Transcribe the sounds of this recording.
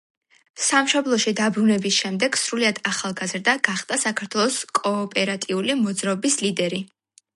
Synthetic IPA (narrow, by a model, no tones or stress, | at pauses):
samʃɔblˠɔʃid̪abɾunɛbisʃɛmd̪ɛɡ̥sɾuliad̪̥aχalˠɡazɾd̪aɡ̥aχd̪̥ʼasakʰaɾt̪ʰwɛlˠɔskʼɔːpʼɛɾat̪ʼiulimɔd̪zɾaɔbislid̪ɛɾi